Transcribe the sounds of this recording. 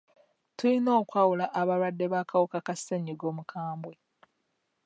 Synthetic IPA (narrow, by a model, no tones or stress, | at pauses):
tulino̞ːkwaːwulaʔaβaɾwadːe̞βakʰawukakaseɲiɡo̞ːmukʰaːmbwe̞